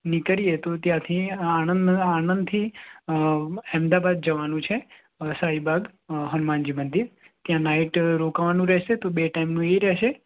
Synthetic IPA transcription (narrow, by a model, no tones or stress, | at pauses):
nikəɾijet̪ot̪jãt̪ʰianənanənd̪t̪ʰi | ɛmd̪abad̪̚d͡ʒəʋanũt͡ʃʰe | saibʱaɡ | ɦənmãnd͡ʒimənd̪iɾ | t̪jãnaiʈɾokʋanũɾɛɦʃet̪obeʈaimnũeɾɛɦʃe